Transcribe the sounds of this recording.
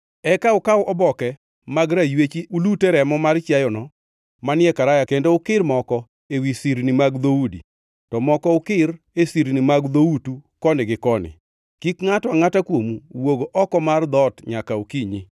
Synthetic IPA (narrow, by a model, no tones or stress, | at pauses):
ɛkaʊkawʔɔbɔkɛ | maɡɾajwet͡ʃiʔulutɛɾɛmɔmart͡ʃjajɔnɔ | manɪɛkaɾajakendoʊkɪrmɔkɔ | ewisiɾnimaɡd̪oudḭ | tɔmɔkɔʊkɪɾ | esiɾnimaɡd̪outukɔnɪɡɪkɔnɪ̰ | kikŋatɔaŋatakwomuwoɡoʔɔkɔmard̪ɔtɲakaokiɲi